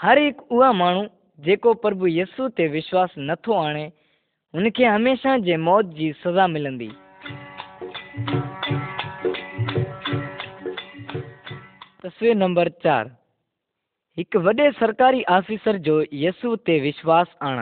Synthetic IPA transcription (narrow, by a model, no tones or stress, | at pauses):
həɾɦɪkʊɦaːmaːɳ̤uː | d͡ʑeːkopəɾəbuːjiːsuːt̪eːʋɪʃwaːsnət̪ʰoaːɽ̃eː | ʊnkʰeːɦəmeːʃaːd͡ʑeːmɔːt̪̚d͡ʑiːsəzaːmɪlə̃nd̪ḭː | t̪əsʋiːɾnə̃mbəɾt͡ɕa̰ːɾ | ɦɪkʋɐɗeːsəɾkaːɾiːʔaːfiːsəɾd͡ʑoːjiːsuːt̪eːʋɪʃwaːsaːɽ̰̃